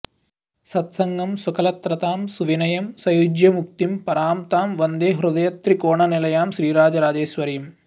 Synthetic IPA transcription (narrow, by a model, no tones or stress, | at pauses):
sɐt̪sɐŋɡɐmsukɐlɐt̪ɾɐt̪aːmsuʋinɐjɐmsɐjud͡ʒjɐmuk̚t̪impɐɾaːmt̪aːmʋɐnd̪eːɦɾud̪ɐjɐt̪ɾikoːɳɐnilɐjaːmʃɾiːɾaːd͡ʒɐɾaːd͡ʒeːʃʋɐɾiːm